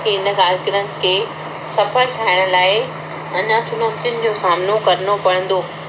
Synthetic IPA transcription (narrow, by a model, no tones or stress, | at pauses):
kʰeɪnə̆ɡaːlkɪɾən̆kʰeː | sɐfʰəɾt̪ʰaːɪɽ̃əlaːɪ | ɐnə̆t͡ɕʰʊnoːt̪jʊnɪ̆d͡ʑoːsaːmnokɐɾənopɐɽ̤̃ə̃n̆d̪oː